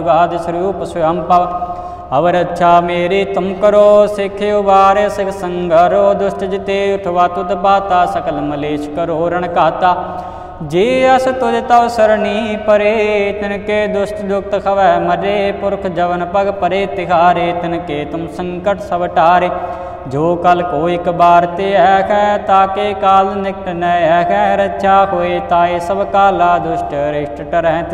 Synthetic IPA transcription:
ɡaːd̪ɐsɾjuːpɐsujɐmpɐʋ | ɐʋɐɾɐtːʃʰaːmeːɾiːt̪ɐmkɐɾoːsekʰeuʋaːɾesɐksɐŋɡɐɾoːd̪ʊʃʈɐd͡ʒit̪eːɐt̪ʰɐʋaːt̪ut̪ɐpaːt̪aːsɐkɐlmɐleːʃkɐɾoːɾɐɳɐkaːt̪aː | d͡ʒeːɐsɐt̪od͡ʒɐt̪aʋsɐɾniːpɐɾeːt̪ɪnkeːd̪ʊsʈd̪ʊk̚t̪kʰɐʋɛːmədeːpʊɾkʰd͡ʒəʋənpəɡpəɾeːt̪ɪkʰaːɾeːt̪ɪnkeːt̪ʊmsəŋkəʈsəbʈaːɾeː | d͡ʒoːkəlkoːɪkbaːɾt̪eːɛkʰɛːt̪aːkekaːlnɪk̚ʈnəɛːkʰɛ̃ːɾəʃʰaːɦoːeːt̪ãːeːsəbkaːlaːd̪ʊsʈɾɪʈʈəɾɛ̃ːt̪

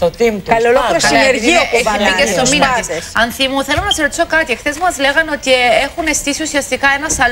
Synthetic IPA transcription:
t̪ot̪imt̪kɐlloloosineɾʝiobiest̪ominɐisɐnθimuθe̞lonɐseɾot̪i̥so̞kɐt̪ixθezmɐzle̞ɣɐno̞t̪ie̞xune̞st̪isiusiɐst̪ikɐenɐsɐl

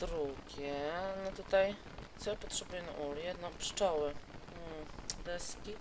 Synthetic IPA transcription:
d̪̥ɾuɡʲɛnɔt̪ut̪aj | t̪sɔjpɔt̪ʂɛbujɛna̰ʔuljɛd̪nɔ̃pʂt͡ʂɔwɘ | d̪ɛskʲi

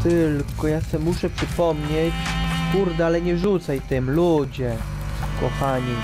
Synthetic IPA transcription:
t̪ɘlkɔjasɛmuʂɛpʂɘpɔmɲet͡ɕkuɾd̪ɛalɛɲɛʐut̪sajt̪ɛmlud͡ʑɛ | kɔ̰xaɲi

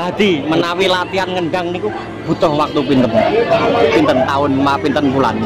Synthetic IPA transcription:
ad̪̥imənawilat̪ianŋənɡaŋniku | b̥ut̪ɔhwak̚t̪upint̪ən | pint̪ənt̪aʊnmapint̪ənpula̰n

